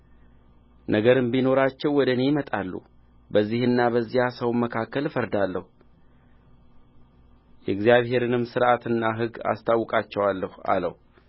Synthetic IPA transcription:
nʔəɡəɾɨmbino̞ɾat͡ʃːɛwːɔd̪əne̞jmət̪ʼalːṵ | bəzːihɨnːabəzːijasəwnməkʰakːəlfəɾd̪alːəhu | jɛɡzijaβhe̞ɾɨnɨmːsɨɾʔat̪ɨnːaɦɨɡa̰st̪ʰawːɔkʼat͡ʃːɛwalːəha̰ləhu

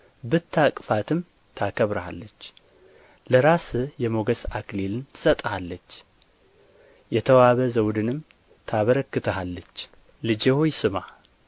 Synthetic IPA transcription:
bɨt̪ʰːakʼfat̪ʰɨm | t̪ʰakʰəβɾəha̰lːət͡ʃː | ləɾasɨjɛmo̞ɡəsaklelɨnt̪ʰɨ̥sʼət̪ʼhalːət͡ʃː | jɛt̪ʰəwaβəzəwd̪ɨnɨm | t̪ʰaβəɾəkːɨt̪ʰəhalːət͡ʃː | lɨd͡ʒehojsɨma

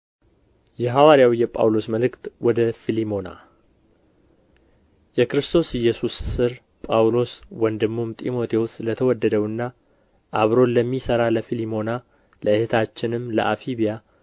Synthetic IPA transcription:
jɛɦawaɾijawijɛpʼa̰wlo̞sməlɨkt̪wɔd̪əfilimo̞na̰ | jɛkɾɨst̪ʰo̞sɪjːɛsusːɨɾ | pʼawlo̞swənd̪ɨmːumt̪ʼimo̞t̪ʰe̞wuslət̪ʰəwɔd̪ːəd̪əwɨnːa | ʔaβɾo̞nləmːisəɾaləfilimo̞na | ləɨhet̪ʰat͡ʃːɪnɨmːlə̰ʔafiβija

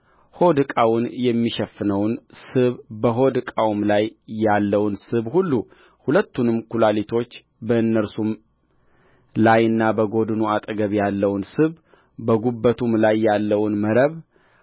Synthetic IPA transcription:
ho̞d̪ɨkʼawʊnjɛmːiʃɛfːɨnəwnsɨβbəɦo̞d̪ɨkʼawmlajːalːəwnsɨβhulːu | hulət̪ːunɨmkʰulalit̪ʰo̞t͡ʃː | bəɨnːəɾsum | lajɨnːabəɡo̞d̪nuat̪ʼɡəβjalːəwnsɨβ | bəɡubːət̪ʰumlajːalːəwnməɾəβ

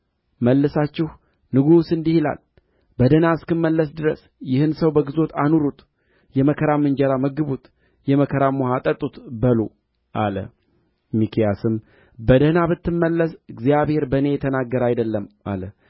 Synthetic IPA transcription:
məlːɨsat͡ʃːɪh | nɨɡusɨnd̪ihila̰l | bəd̪ənaɨskɨmːəlːəsd̪ɨɾə̰s | jɪhɨnsəwbəɡɨzo̞t̪anuɾut̪ | jɛməkʰəɾamɨnd͡ʒɛɾaməɡɨβut̪ | jɛməkʰəɾamohat̪ʼət̪ʼut̪bəlo | ʔalə̰ | mikʰijasɨm | bəd̪ənabɨt̪ːɨmːəlːəsɨɡzijaβhe̞ɾbənejɛt̪ʰənaɡːəɾajd̪əlːəma̰lə

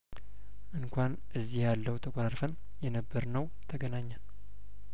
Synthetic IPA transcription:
ʔɨnkʷʰan | ʔɨzːihjalːəwt̪ʰəkʷʼoɾaɾfən | jɛnəbːəɾnəw | t̪ʰəɡənaɲːən

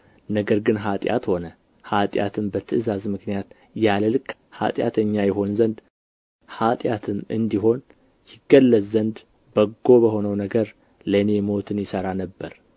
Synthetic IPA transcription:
nəɡəɾɡɨnɦat̪ʼja̰t̪ho̞nə | hat̪ʼja̰t̪ʰɨmbət̪ʰɨʔzazmɨknijat̪ | jaləlɨkʼː | ha̰t̪ʼja̰t̪ʰəɲːajɛɦo̞nzənd̪ | hat̪ʼjat̪ʰɨmɨ̰nd̪iɦo̞n | jɪɡːəlːəzzənd̪ | bəɡːo̞bəho̞nəwnəɡəɾ | ləne̞mo̞t̪ʰɨnjɪsəɾanəbːəɾ

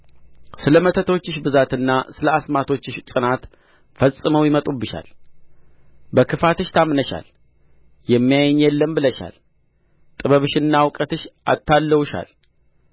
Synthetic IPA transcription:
sɨləmət̪ʰət̪ʰo̞t͡ʃːɪʃbɨzat̪ɨnːasɨləasmat̪ʰo̞t͡ʃːɨʃsʼɨnat̪ | fəsʼɨməwjɪmət̪ʼubɨʃa̰l | bəkʰɨfat̪ɨʃt̪ʰamnəʃa̰l | jɛmːijajɛɲjɛlːəmbɨləʃa̰l | t̪ʼɨβəβɨʃɨnːawkʼət̪ɨʃʔa̰t̪ʰːalːəwʃa̰l

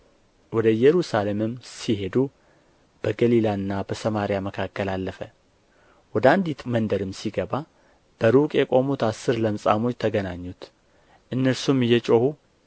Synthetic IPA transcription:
wɔd̪əɨjːɛɾusale̞mɨmːsihe̞d̪u | b̥əɡəlilaɨnːabəsəmaɾijaməkʰakʰːəlalːəfə | wɔd̪əand̪it̪mənd̪əɾɨmsiɡəβa | b̥əɾukʼjɛkʼo̞mut̪asːɨɾləmsʼa̰mot͡ʃːt̪ʰəɡənaɲːut̪ | ʔɨnːəɾsumɨjːɛt͡ʃʼohu

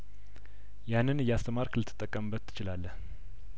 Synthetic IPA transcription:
janːɨnɨjːast̪ʰəmaɾkʰɨlɨt̪ʰɨt̪ʼːəkʼːəmbət̪ʰːɨ̥t͡ʃɪlalːəh

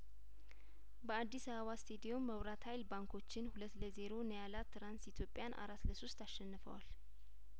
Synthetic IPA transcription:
bəad̪ːisaβəβast̪ʰed̪ijomːəwɾat̪hajlbaŋkʰo̞t͡ʃːɪnhulət̪ːləze̞ɾo̞nəjalat̪ʰːɨɾansit̪ʰjo̞pʼjanʔa̰ɾat̪ləsost̪aʃːɛnːɨfə̰wa̰l

